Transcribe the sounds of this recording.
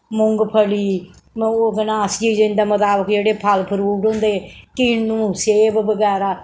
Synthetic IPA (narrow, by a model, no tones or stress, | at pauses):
mʊŋɡpʰəliː | oɡənaːst͡ʃiːd͡ʒẽnd̪aːmət̪aːbəkd͡ʒeːɽeːpʰəlpʰəɾuːɖɦõːnd̪eːkɪnũːseːʋʋəɡɛːɾaː